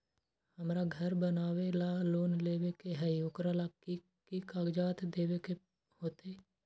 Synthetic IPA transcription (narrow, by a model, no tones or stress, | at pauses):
həmɾaːɡʱəɾbənaːʋeːlaːloːnleːʋeːkeɦɛjoːkɾaːlaːki | kiːkaːɡd͡ʒaːt̪d̪eːʋeːke | hoːt̪ʰeː